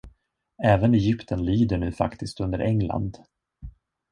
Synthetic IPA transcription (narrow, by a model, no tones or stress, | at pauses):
ɛːvənɛjʏpt̪ʰənliːd̪əɳʉ̟ːfa̰kt̪ɪst̪ɵnd̪əɾʔɛŋla̰nd̪